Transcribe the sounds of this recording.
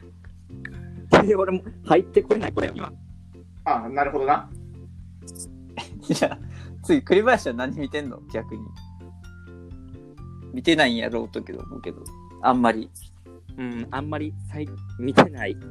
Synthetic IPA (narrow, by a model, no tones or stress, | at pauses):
t̪eeoɾe̞mo̞hait̪ːe̞kɯɾe̞naikoɾḛo̰ɲʲḭβa̰ | anaɾɯ̟ɦo̞d̪o̞na | d͡ʑat͡sɨikɯ̟ɾʲibaɕianãɲ̟ːimʲit̪ẽ̞nːo̞̰ɡʲakɯ̟ɲ̟ḭ | mʲit̪e̞naĩja̰ɾo̞ːt̪okʲed̪o̰mo̰ke̞d̪o̰ | ãmːaɾʲi | ɯ̟̃ãmːaɾʲisaimʲit̪e̞nai